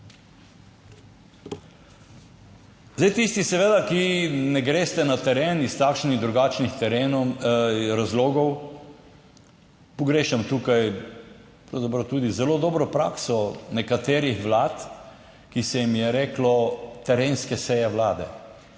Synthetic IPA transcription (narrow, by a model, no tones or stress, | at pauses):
zajt̪ist̪isɛʋeːd̪akinɛɡɾeːst̪ɛnat̪ɛɾeːnist̪akʃniɣd̪ɾuɡaːt͡ʃnixt̪ɛɾeːn | ɾazloːɡɔw | pɔɡɾeːʃɛmt̪uːkaj | pɾawzapɾɐwt̪uːd̪izɛloːd̪ɔːbɾɔpɾa̰ːksɔnɛkat̪eːɾixʋlaːt̪ | kisɛjimjɛɾeːklɔt̪ɛɾeːnskɛsɛjɛʋlaːd̪ɛ̰